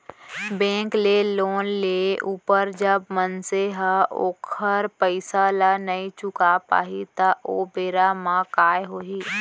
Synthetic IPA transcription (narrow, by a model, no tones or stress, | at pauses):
bẽːŋkleloːnleʔuːpəɾd͡ʒəbmənseɦəoːkʰəɾpəɪsalanəit͡ʃʊkapa̰ːɦit̪aʔoːbeːɾamãkaːjɦoːɦiː